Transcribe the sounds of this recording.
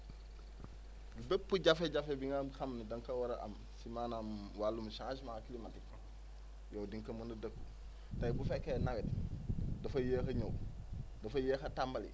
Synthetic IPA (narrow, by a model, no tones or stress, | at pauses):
ɡibepːuɟafeɟafebiŋɡabixamnidɐŋkɐwɐɾɐʔɐ̰m | simanam | walːumʃaŋsmakilimatik | jowdiŋkɐmɐndɐdɐkːu | tɐjbufɛkːenawɛtdɐfɐjeːxɐɲowdɐfɐjeːxɐtambɐlḭ